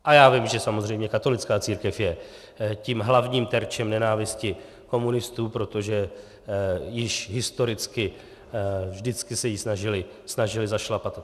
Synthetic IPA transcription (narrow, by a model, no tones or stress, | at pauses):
ʔajaːvɪmʒɛsamo̞zrɛjmɲɛkat̪o̞lɪt͡skaːt͡siːɾkɛfjɛ | ciːmɦlavɲiːmt̪ɛɾt͡ʃɛmnɛnaːvɪscɪ | ko̞munɪst̪uːpɾo̞t̪o̞ʒɛ | jɪʃɦɪst̪o̞ɾɪt͡skɪ | vʒdɪt͡skɪsɛjisnaʒɪlɪ | snaʒɪlɪzaʃlapat̪